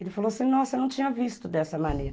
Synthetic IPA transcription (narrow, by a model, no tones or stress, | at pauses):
elɪfaloɐsĩnɔsɐenɐ̃w̃t͡ʃĩɲɐvist̪ʊd̪ɛsɐmɐ̃nejɾɐɐ